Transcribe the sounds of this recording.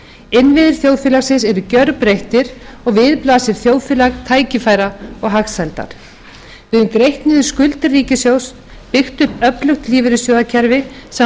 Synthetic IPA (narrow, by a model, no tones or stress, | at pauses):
ɪnːvɪðɪɾ̥θjowðfɪːlaɣsɪnsɛɾʏcœɾpɾejht̪ɪɾɔɣvɪðplaːsɪɾ̥θjoːwðfɪːlaɣt̪ʰaːjcɪfaːjɾaɔɣɦaxsajlt̪a̰ɾ̥ | vɪðʏmkɾejht̪nɪðʏɾ̥skʏlt̪ɪrːiːcɪsjoːws | pɪxt̪ʏhpœplʏxt̪liːvɪɾɪsjɔːðacʰɛɾvɪs